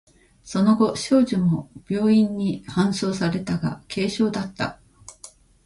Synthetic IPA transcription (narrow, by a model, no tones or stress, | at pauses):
so̞no̞ɡo̞ɕo̞ːʑimo̞b̥ʲjo̞ːĩɲ̟ːihãɰ̃so̞ːsaɾe̞t̪aɡa̰kʰe̞ːɕo̞ːd̪at̪ːa̰